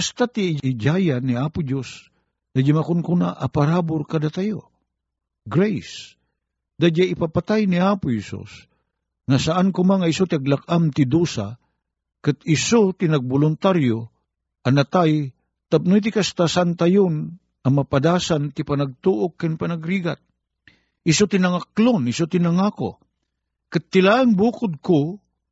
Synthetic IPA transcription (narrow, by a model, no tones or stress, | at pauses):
kast̪at̪ɪɪd͡ʒajanɪaːpʊd͡ʒos | d̪ad͡ʒamakʊnkunaʔɐpaɾaːbʊɾkad̪at̪ajo | ɡɾɛjs | d̪ad͡ʒaʔɪpapat̪ajnɪaːpʊhɛsṵs | ŋasaʔankʊmaŋaɪsot̪ɪaɡlak̚amt̪ɪd̪usa | kɨt̪ɪsot̪inɐɡ̚bʊlʊnt̪aɾjo | ʔɐnɐt̪aj | t̪ap̚nojt̪̬ɪkast̪asant̪ajʊn | ɐmɐpad̪aːsant̪ɪpanaɡ̚t̪uʔokːanpanaɡɾiɡat̪̚ | ʔɪsot̪inɐŋaklonɪsot̪inɐŋako̰ | kɨt̪ːɪlaʔaŋbuːkʊd̪̚ko